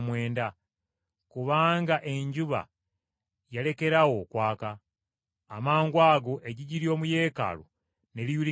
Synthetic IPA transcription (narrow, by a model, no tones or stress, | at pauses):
mwe̞ːnda | kuβaːŋɡaʔe̞ɲɟuβa̰ | jale̞ke̞ɾawo̞kwaːkaː | maːŋɡwaːɡo̞ʔeɟiɟiɾijo̞ːmuje̞ːka̰lo̰ | ne̞lijuli